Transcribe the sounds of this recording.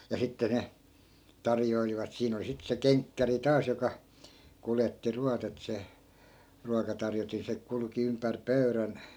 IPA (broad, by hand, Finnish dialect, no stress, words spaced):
jɑ sitːe ne tɑrjoiliʋɑt siːn oli sit se keŋkːæri tɑːs jokɑ kuletːi ruɑt et se ruɑkɑtɑrjotin se kulŭki ympær pøy̞ræn